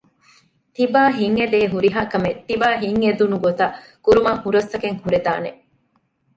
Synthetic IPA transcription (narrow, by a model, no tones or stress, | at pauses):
t̪ibaːɦiŋːed̪eːɦuɾiɦaːkɐmet̪ibaːɦiŋːed̪unuɡot̪ɐ | kuɾumɐŋhuɾɐst̪ɐkeŋhuɾed̪a̰ːne